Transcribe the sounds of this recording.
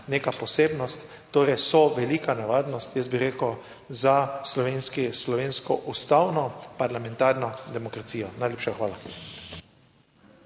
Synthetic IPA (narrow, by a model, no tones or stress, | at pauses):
neːkapɔseːbnɔst̪ːoːɾɛjsɔʋɛliːkanɛʋaːd̪nɔst̪jɛsbiɾeːkəw | zaslɔʋeːnskislɔʋeːnskɔʔust̪awnɔpaɾlamɛnt̪aɾnɔd̪ɛmɔkɾat̪siːjɔnajleːpʃaxʋaːla